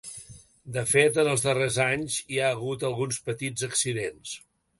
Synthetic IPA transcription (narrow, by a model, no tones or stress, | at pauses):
d̪əfet̪ənəlˠzðərezaɲziaəɣ̞ut̪əlˠɣunspət̪id͡zəksiðens